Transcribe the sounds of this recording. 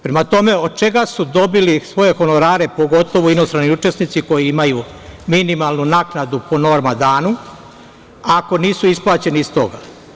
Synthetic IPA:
pɾemat̪o̞me̞o̞d̪̚t͡ʃe̞ɡasud̪o̞bilisʋo̞je̞xo̞no̞ɾaːɾe̞po̞ɡo̞t̪o̞ʋoino̞st̪ɾaniut͡ʃe̞snit̪siko̞jiimaju | minimalˠnunaknad̪upo̞no̞ɾmad̪aːnu | ako̞niːsuisplˠaːt͡ɕe̞niːst̪o̞̰ɡa

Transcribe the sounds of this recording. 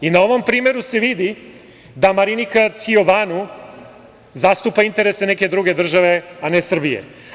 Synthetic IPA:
inao̞ʋo̞mpɾiːme̞ɾuse̞ʋid̪i | d̪amaɾinikat̪sioʋanu | zast̪upaint̪e̞ɾeseneked̪ɾuɡe̞d̪r̩ʒaʋe̞anesr̩bijḛ

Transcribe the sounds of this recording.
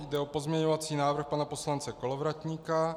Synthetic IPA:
jdɛopo̞zmɲɛɲovat͡siːnaːvr̩xpanaposlant͡sɛkolovɾat̪ɲika

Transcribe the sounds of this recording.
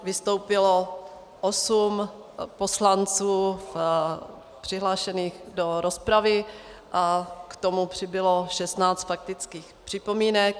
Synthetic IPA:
vɪst̪o̞wpɪlo | ʔosumposlant͡suːf | pr̥ɪɦlaːʃɛniːxdo̞ɾo̞spɾavɪʔakt̪o̞mupr̝̥ɪbɪlo̞ʃɛst̪naːt͡st̪fak̚t̪ɪt͡skiːxpr̥ɪpo̞miːnɛk̚

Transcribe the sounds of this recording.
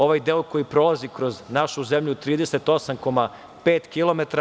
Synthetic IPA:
o̞ʋajd̪eːoko̞jipɾo̞lˠazikɾo̞znaʃuzemʎut̪ɾiːd̪ese̞t̪o̞samko̞ma | peːt̪kilˠo̞met̪ɾ

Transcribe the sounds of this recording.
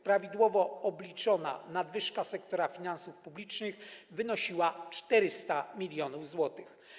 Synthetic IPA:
pɾavʲid̪wɔvɔɔblʲit͡ʂɔna̰nad̪vɘʂkasɛk̚t̪ɔɾafʲinansufpublʲit͡ʂnɘxvɘnɔɕiwat͡ʂt̪ɛɾɘst̪amʲilʲjɔnuvzwɔt̪ɘx

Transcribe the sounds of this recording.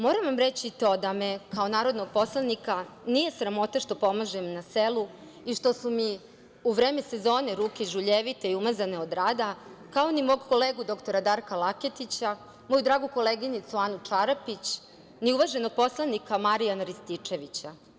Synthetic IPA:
moːɾamʋamɾet͡ɕit̪o̞d̪amekao̞naːɾo̞d̪no̞ɡ̚po̞slˠanikanije̞sɾamo̞t̪aʃt̪o̞po̞maʒemnaselu | iʃt̪o̞sumi | uʋɾeːmese̞zo̞ːneɾuːkeiʒuʎeʋit̪eiumazaneod̪ɾaːd̪akaonimo̞ːɡko̞leːɡud̪o̞kt̪o̞ɾad̪aːɾkalaket̪it͡ɕa | mo̞jud̪ɾaːɡuko̞leɡinit̪suaːnut͡ʂaɾapit͡ɕ | niuʋaʒeno̞ɡ̚po̞slˠanikamaɾijanaɾist̪it͡ʂe̞ʋit͡ɕa

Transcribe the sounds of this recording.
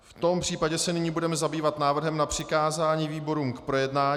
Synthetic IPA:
ft̪o̞mpr̝̥iːpaɟɛsɛnɪɲiːbudɛmɛzabiːvat̪naːvr̩ɦɛmnapr̝̥ɪkaːzaːɲiːviːbo̞ɾuːmkpɾo̞jɛdnaː

